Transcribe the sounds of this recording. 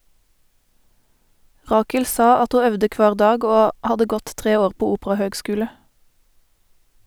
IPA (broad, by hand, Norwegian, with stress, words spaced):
ˈʁɑːkəl ˈsɑ ˈɑt ˈhuː ˈœʋdə ˈkʋɑːʁ ˈdɑːɡ ˈoː ˈhɑdə ˈɡɔt ˈtʁeː ˈoːʁ ˈpoː ˈuːpʁɑhøːɡˌskʉːlə